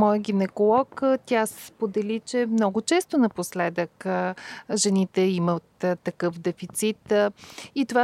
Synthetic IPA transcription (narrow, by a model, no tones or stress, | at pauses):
mɔjəɡʲinɛkolˠɔkt̪ʲasɛ̥spod̪ɛlit͡ʃɛmnɔɡʊt͡ʃɛst̪onɐposlɛd̪ək | ʒɛnit̪ɛimət̪t̪ːɐkɤfd̪ɛfit̪sit̪ | it̪ova